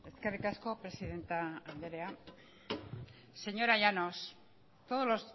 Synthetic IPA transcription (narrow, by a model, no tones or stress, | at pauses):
e̞ske̞rikasko̞pɾe̞siðe̞nt̪aːnd̪eɾe̞a | se̞ɲo̞ɾajano̞s | t̪oð̞ozlo̞s